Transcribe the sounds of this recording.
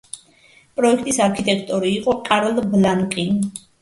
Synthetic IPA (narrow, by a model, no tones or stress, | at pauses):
pʼɾɔɛkʰt̪ʼisaɾkʰit̪ʼɛkʰt̪ʼɔɾiːqʼɔqʼaɾɔlblaŋkʼi